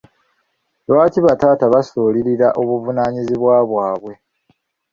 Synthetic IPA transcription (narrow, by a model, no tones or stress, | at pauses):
lwaːciβataːtaβasoːliɾiɾaʔo̞βuvunaːɲiziβwaːβwaːβwe̞